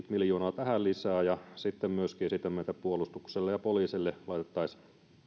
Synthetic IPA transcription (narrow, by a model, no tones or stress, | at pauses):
t̪miljoːnɑːt̪æhællisæːjɑsit̪ːemmyøskiːsit̪ːæmmeˑit̪æpuolust̪ukselːejɑpoliːsilːelɑˑit̪et̪ːɑis